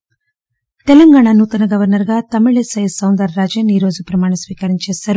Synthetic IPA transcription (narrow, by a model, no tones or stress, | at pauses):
t̪elɐŋɡaːɳanuːt̪ɐnɐɡɐʋɐɾnɐɾɡaːt̪ɐmiɭesɐjsɐwnd̪ɐɾːaːd͡ʒɐniːɾo̞ːzupɾɐmaːɳɐmsʋiːkaɾiɲt͡ʃeːsaːɾu